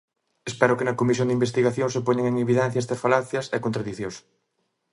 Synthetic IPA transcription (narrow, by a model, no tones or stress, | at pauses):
espɛɾʊkenɐkomis̬jond̪imbest̪iɣaθjoŋsepoɲeŋeŋeβiðɛ̃n̟θjɐɛst̪ɐsfalaθjɐsɛkont̪ɾaðiθjõs